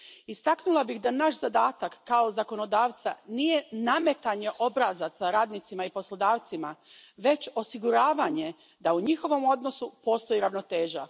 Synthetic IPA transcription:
ist̪aknulˠabixd̪anaʃzad̪aːt̪akːao̞zako̞no̞d̪aːʋt̪sanije̞name̞t̪aɲe̞ʔo̞bɾazasaɾaːd̪nit̪simaipo̞slˠod̪aːʋt̪simaʋe̞t͡ɕo̞siɡuɾaːʋaɲe̞ | d̪auɲixo̞ʋo̞mo̞d̪no̞supo̞ːst̪o̞jiɾaʋno̞t̪e̞ːʒa

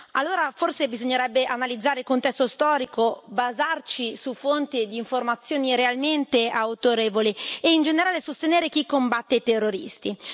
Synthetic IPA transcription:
a̰lːoːɾaforsebizoɲːeɾɛbːeʔanalid̪zːaːɾeilkont̪ɛst̪ost̪ɔːɾikobazart͡ʃisufont̪id̪iːɱformat̪sːjoːniɾealment̪eawt̪oɾeːvolieind͡ʒeneɾaːlesost̪eneːɾek̟ikːombat̪ːet̪erːoɾḭst̪i

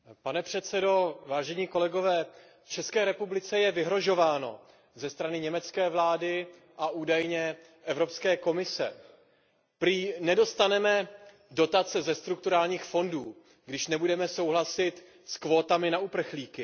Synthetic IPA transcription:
panɛpr̝̥ɛt̪t͡sɛdo̞vaːʒɛɲiːko̞lɛɡo̞vɛː | ft͡ʃɛskɛːɾɛpublɪt͡sɛjɛvɪɦɾo̞ʒo̞vaːno̞̰ | zɛst̪ɾanɪɲɛmɛt͡skɛːvlaːdɪ | ʔaʔuːdajɲɛ | ʔɛvɾo̞pskɛːko̞mɪsɛ̰ | pɾiːnɛdo̞st̪anɛmɛ | do̞t̪at͡sɛzɛst̪ɾuk̚t̪uɾaːlɲiːxfo̞nduː | ɡdɪʃnɛbudɛmɛso̞wɦlasɪt̪ | skvo̞ːt̪amɪnaupr̩xliːkɪ

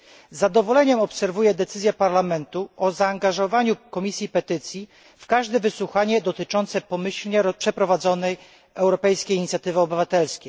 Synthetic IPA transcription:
zːad̪ɔvɔlɛɲɛmɔpsɛɾvujɛd̪ɛt̪sɘzjɛpaɾlamɛnt̪uʔɔzaːŋɡaʐɔvaɲukɔmʲisʲjipɛt̪ɘt̪sʲji | fkaʐd̪ɛvɘswuxaɲɛd̪ɔt̪ɘt͡ʂɔnt̪sɛpɔmɘɕlɲɛɾpʂɛpɾɔvad̪zɔnɛj | ɛwɾɔpɛjskʲejiɲit̪sʲjat̪ɘvɘɔbɘvat̪ɛlskʲej

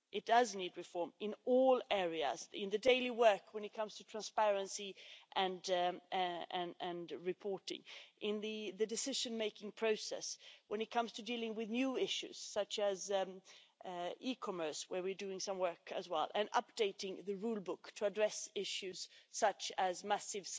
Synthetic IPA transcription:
ʔɨt̚d̥ʌznid̚ɹɨfɔɹmɨ̃nɔlˠɛɹiɨ̰zɪ̰̃nðɨdeɪlˠiwɜ˞kʰwə̃nɨt̚kʰʌ̃mz̥tʰɨtʰɹ̥æ̃nspɛɹɨ̃nsiʔɨ̃n | ɨ̃nɨ̃nɹɨpʰɔɹɾɪ̰̃ŋʔɪ̃nðɨðɨdɨsɪʒɨ̃nmeɪkɪ̃ŋpʰɹ̥oʊsɛ̰swə̃nɨt̚kʰʌ̃mz̥tʰɨdilˠɪ̃ŋwɨðnjʉɪʃʉ̰z̥sʌt͡ʃɨz | ikʰɑmə˞swə˞wɨ˞dʉɪ̃ŋsʌ̃mwɜ˞kɨ̰zwɛ̰lˠʔɨ̃nʌ̰p̚d̥eɪɾɪ̃ŋðɨɹulˠbʊktʰəːdɹɛsɪʃʉz̥sʌt͡ʃɨzmæsɨv̥

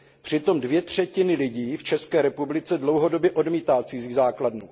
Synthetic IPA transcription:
pr̝̥ɪt̪o̞mdvjɛt̪r̝̥ɛcɪnɪlɪɟiːft͡ʃɛskɛːɾɛpublɪt͡sɛdlowɦo̞do̞bjɛʔo̞dmiːt̪aːt͡sizizaːkladnu

